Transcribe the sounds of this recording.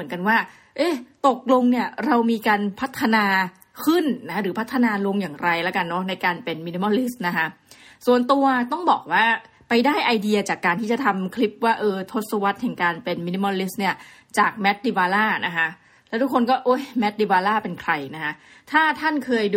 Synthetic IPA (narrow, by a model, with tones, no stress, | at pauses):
mɯ˩˦ənka˧nwaː˥˩ | ʔeː˥˩t̪o˨˩k̚lo˧ŋni˥˩ɐɾa˧wmiː˧kaː˧npʰa˦˥t̪ʰːa˧naː˧ | kʰɯ˥˩nna˦˥ɾɯː˩˦pʰa˦˥t̪ʰːa˧naː˧lo˧ŋjaː˨˩ŋɾa˧jlɛ˦˥ka˧nːɔ˦˥na˧jkaː˧npe˧nmi˧˥ni˧˥mɔ˧˥li˦˥s̚na˦˥kʰa˦˥su˨˩ənt̪u˧ɐt̪ɔ˥˩ŋbɔː˨˩k̚waː˥˩ | pa˧jdaː˥˩jʔa˧jdi˧ɐ˧t͡ɕaː˨˩kːaː˧nt̪ʰiː˥˩t͡ɕa˨˩t̪ʰa˧mkʰli˦˥p̚waː˥˩ʔɤː˧t̪ʰo˦˥t̪̚sa˧wa˦˥t̪̚hɛ˨˩ŋkaː˧npe˧nmi˧ni˧˥mɔ˧li˦˥sni˥˩ɐ | t͡ɕaː˨˩k̚mɛ˦˥t̪̚di˧waː˧laː˥˩nʔa˦˥kʰa˦˥ʔ | lɛː˦˥wt̪ʰu˦˥kʰːo˧nkɔː˥˩ʔo˦˥˩jmɛ˦˥t̪̚di˧waː˧laː˥˩pe˧nkʰɾa˧jna˦˥kʰa˦˥ | t̪ʰaː˥˩t̪ʰa˥˩nkʰɤː˧j